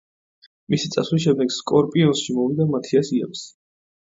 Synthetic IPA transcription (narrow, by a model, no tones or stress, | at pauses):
misit̪sʼa̰swliʃ̬ɛmd̪ɛɡskʼɔɾpʼiɔnsʃimɔvid̪amat̪ʰiasiɛ̰ps